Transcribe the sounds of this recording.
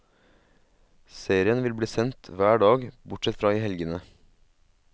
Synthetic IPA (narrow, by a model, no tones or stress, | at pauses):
seːɾɪənʋɪlbliːsɛnt̪ʰʋæːɖɑːɡbʊʈsɛt̪fɾɑːiːhɛlɡənə